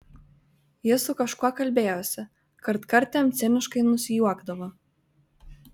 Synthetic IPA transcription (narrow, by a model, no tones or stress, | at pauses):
jɪsʊkɐʃkuɔkɐlʲbʲeːjoːsʲɛ | kɐɾt̪kɐɾʲt̪ʲɛmt̪sʲɛnʲɪʃkɐɪnʊsʲɪjuɔɡd̪ɐʋo